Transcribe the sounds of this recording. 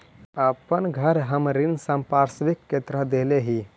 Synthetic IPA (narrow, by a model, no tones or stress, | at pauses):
əpənɡʱəɾɦəmɾɪnsəmpaːɾsʋɪkːet̪ɾad̪eːleɦi